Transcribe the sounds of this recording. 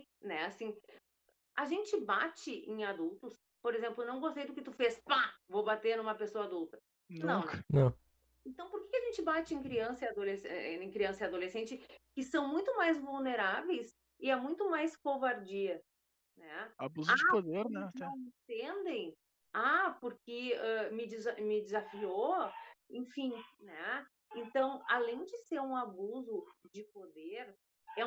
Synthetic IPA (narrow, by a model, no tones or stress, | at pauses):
nɛasĩ | aʒẽnt͡ʃɪba̰t͡ʃɪʔẽj̃ad̪ult̪ʊs | poɾezẽmplʊnɐ̃w̃ɡost̪ejd̪ʊkɪt̪ufespavobat̪eɾnũmɐpesoɐad̪ult̪ɐ | nɐ̃ww̃nɐ̃w̃ | ẽnt̪ɐ̃w̃poɾkekɪaʒẽnt͡ʃɪbat͡ʃɪẽkɾiɐ̃sɐad̪olesẽkɾiɐ̃sɐad̪olesẽnt͡ʃɪkɪsɐ̃w̃mũj̃t̪ʊmajzvulneɾavejs | ɪɛmũj̃t̪ʊmajskovaɾd͡ʒiɐ | nɛabuzʊad͡ʒɪpod̪eɾnɛɛẽt̪ẽnd̪ẽj̃ | apoɾkɪɛmɪd͡ʒɪzamɪd͡ʒɪzafioẽfĩnɛ | ẽnt̪ɐ̃w̃a̰lẽj̃d͡ʒɪseɾũabuzʊd͡ʒɪpod̪eɾ | ɛ